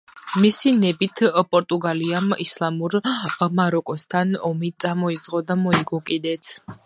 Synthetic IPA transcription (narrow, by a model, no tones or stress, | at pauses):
misinɛbit̪ʰpʼɔɾt̪ʼuɡaliamislˠamuɾmaɾɔkʼɔst̪ʰanɔmit̪sʼamɔid̪z̥ʼʁʼɔd̪amɔiɡɔkʼid̪ɛt̪sʰ